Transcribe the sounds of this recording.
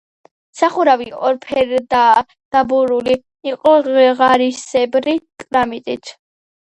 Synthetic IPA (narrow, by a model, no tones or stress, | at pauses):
saχuɾaviʔʼɔɾpʰɛɾd̪a | d̪̥abuɾuliː | qʼɔʁaɾisɛbɾikʼɾamit̪ʼit̪ʰ